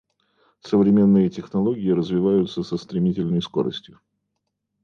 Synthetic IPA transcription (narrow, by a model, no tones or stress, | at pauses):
səvɾʲɪmʲe̞nːɨjətʲɪxnɐlˠo̞ɡʲɪɪɾəzvʲɪvajʊt̪səsəst̪ɾʲɪmʲitʲɪlʲnəjsko̞ɾə̰sʲtʲjʊ